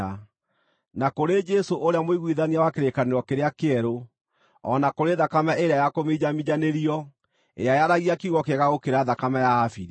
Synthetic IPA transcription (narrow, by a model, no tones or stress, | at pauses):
a | nakoɾed͡ʒɛsoʔoɾeamoiɣwiðaniawakeɾekaneɾɔkeɾeakeɛɾo | ɔnakoɾeðakamaʔeɾeajakomed͡ʑamid͡ʒaneɾiɔ | ḛajaɾaɣiakiɣɔkɛɣaɣokeɾaðakamajaːfi